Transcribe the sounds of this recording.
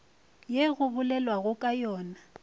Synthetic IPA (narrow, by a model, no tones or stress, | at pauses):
jeɣʊbʊlɛlwaɣʊkʼajɔːna